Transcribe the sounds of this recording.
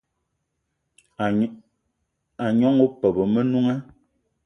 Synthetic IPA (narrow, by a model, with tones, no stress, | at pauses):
a˨ɲɔ˦ŋo˦pɛ˨bə˨mə˦nu˦ŋɛ˦